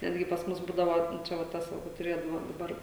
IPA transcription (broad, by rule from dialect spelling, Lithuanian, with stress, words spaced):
ˈnʲæːdʲɡʲɪ pɐs ˈmʊs ˈbuːdɐʋoː ˈt͡ʃʲɛ ʋɐ ˈtɐs ˈʋɐ kʊr tʊˈrʲeːdɐʋoː dɐˈbɐr